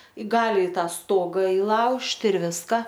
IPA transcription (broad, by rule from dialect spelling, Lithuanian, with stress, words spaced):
ˈɡɑːlʲɪ ɪ ˈtɑː ˈstoːɡɐ ɪˈlˠɐʊʃʲtʲɪ ɪr ˈʋʲɪskɐ